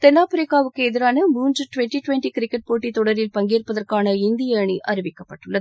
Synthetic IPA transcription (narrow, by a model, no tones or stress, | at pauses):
t̪ɛnːaːpɯɾɪkːaːʋɯkːɯɛðɪɾaːnɐmuːnd͡ʒɯʈʊʋɛɳʈiʈʊʋɛɳʈikɪɾɪkːɛʈ̚poːʈːit̪ɔɽɐɾɪlpɐŋɡeːrpːɐðɐrkaːnɐɪnd̪ɪjɐɳiʔʔɐɾɪʋɪkːɐpːɐʈːɯɭːɐð